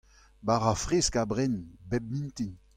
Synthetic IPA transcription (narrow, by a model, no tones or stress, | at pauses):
baʁafʁeskabʁɛnbɛb̚mĩnt̪in